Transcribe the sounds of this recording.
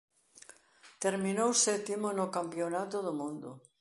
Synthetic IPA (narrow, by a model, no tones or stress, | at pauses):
t̪eɾminowsɛt̪imonʊkampjonat̪oðomũnd̪ʊ